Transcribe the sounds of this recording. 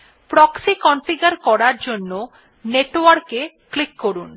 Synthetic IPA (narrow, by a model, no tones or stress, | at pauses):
pɾɔksikɔnfiɡaɾkɔɾaɾd͡ʑonːo | neʈwaɾke | klikːoɾun